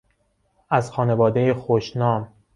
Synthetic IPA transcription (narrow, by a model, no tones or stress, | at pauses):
ʔæzxɒːne̞vɒːd̪e̞jexoʃnɒːm